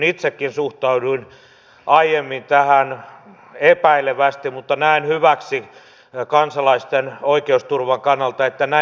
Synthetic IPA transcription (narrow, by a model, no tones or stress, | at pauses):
nit̪sekːinsuht̪ɑuduin | ʔɑijemːint̪æhæn | epæileʋæst̪immut̪ːɑnæinhyʋæksi | kɑnsɑlɑist̪enoikeust̪urʋɑŋkɑnːɑlt̪ɑet̪ːænæ